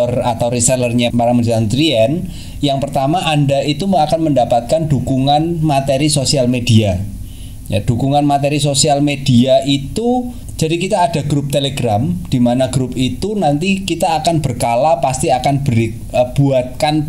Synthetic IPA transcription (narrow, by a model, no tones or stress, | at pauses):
ɔra̰t̪awɾisalərɲapaɾamədit̪ant̪ɾiɛn | jaŋpərt̪amaʔandait̪uakanməndapat̪̚kandukuŋanmat̪eɾisosialmedia | ja̰d̥ukuŋanmat̪eɾis̬osialmed̥iaʔit̪u | d͡ʒ̥adikit̪aːd̥a̤ɡɾʊp̚t̪eleɡɾamd̥imanaɡ̥ɾʊp̚it̪unant̪ikit̪aːkanb̥ərkalapast̪iakanbəɾi | b̥uat̪̚kan